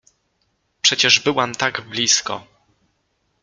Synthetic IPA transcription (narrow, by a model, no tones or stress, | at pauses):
pʂɛt͡ɕɛʐbɘwamt̪aɡblʲiskɔ̰